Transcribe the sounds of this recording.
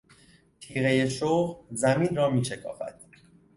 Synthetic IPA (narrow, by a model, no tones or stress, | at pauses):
t̪ʰiːɣe̞jeʃoːʁzæmiːnrɒːmiːʃekʰɒ̰ːfæ̰d̪̥